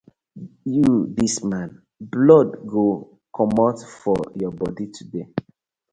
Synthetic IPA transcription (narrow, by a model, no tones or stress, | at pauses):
judismãn | blɔdɡo | kʰɔmɔtfɔjɔbɔditʰude